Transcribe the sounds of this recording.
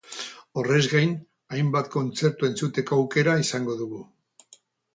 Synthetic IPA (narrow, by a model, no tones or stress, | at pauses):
o̞re̞zɣajn | ajmbat̪ko̞nt͡se̞ɾt̪ue̞nt͡sut̪e̞koawke̞ɾaisaŋɡo̞ðuɣu